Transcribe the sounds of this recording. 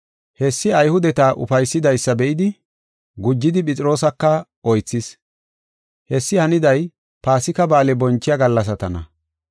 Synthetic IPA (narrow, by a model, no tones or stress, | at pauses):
hɛsːɪɐjhʊd̪ɛt̪aːʔʊ̰fɐjsːɪd̪ɐjsːɐbɛʔɪd̪ɪ | ɡʊd͡ʒːɪd̪ɪpʼɪt͡sʼɪɾo̞ːsɐkːɐ | ɔjt͡sːɪs | hɛsːɪhɐnɪd̪ɐj | paːsɪkɐbaːlɛbɔnt͡ʃːɪjɐɡɐlːɐs̬ɐt̪ɐnɐ̰